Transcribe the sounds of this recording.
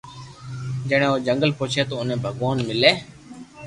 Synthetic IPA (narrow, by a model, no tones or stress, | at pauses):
d͡ʒeːɽ̃ẽːoːd͡ʒəŋɡəlpoːt͡ʃʰeːt̪oːʊnẽːbʱəɡʋaːnmɪleː